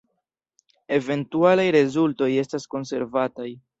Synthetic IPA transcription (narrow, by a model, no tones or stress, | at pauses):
e̞ve̞ntualajɾe̞zulto̞je̞stasko̞nse̞̰ɾvataj